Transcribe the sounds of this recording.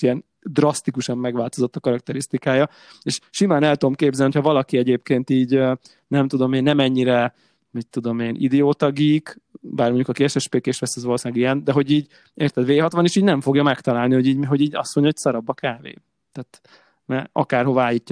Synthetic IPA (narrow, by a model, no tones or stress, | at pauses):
iɛn | d̪rɒst̪ikuʃɒmːɛɡʋaːlt̪o̞zo̞t̪ːɒkɒɾɒk̚t̪ɛɾist̪ikaːjɒ | eːʃʃimaːnɛlt̪ud̪omkeːbzɛniocʰhɒvɒlɒkiɛɟeːpkeːnt̪iːɟ | nɛmt̪ud̪o̞meːnːɛmɛɲːiɾɛ | mit̪ːud̪o̞meːnʔid̪ɛoːt̪ɒɡiːkbaːrmo̞ɲɟukɒkeːʃɛʃpeːkeːʃʋɛsɛzʋɒlosaːɡijɛnd̪ɛɦo̞ɟiːɟ | eːrt̪ɛd̪ʋeːɦɒt̪ʋɒneːʃiːɟnɛɱfo̞ɡjɒmɛkt̪ɒlaːlnihoɟiːɟɦo̞ɟiːɟɒ̰st̪moɲɟɒɦocsɒɾɒbɒkaːvḛː | t̪aːt̪ | mɛɒkaːrɦoaːjiːcː